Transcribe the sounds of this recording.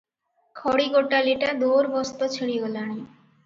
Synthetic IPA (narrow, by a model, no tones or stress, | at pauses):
kʰɔɽiɡoʈaliʈad̪oɾbɔst̪ɔt͡ɕʰiɽiɡolaɽ̃i